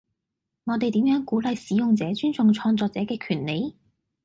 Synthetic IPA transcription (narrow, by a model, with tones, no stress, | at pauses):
ŋɔ˨˧t̪e˨jt̪iː˨˥mjœː˨˥ŋkuː˨˥lɐ˨jsiː˨˥jʊ˨ŋt͡sɛː˨˥t͡ʃyː˥nt͡sʊ˨ŋt͡sʰɔː˧ŋt͡sɔː˧k̚t͡sɛː˨˥kɛː˧kʰyː˨˩nle˨˧j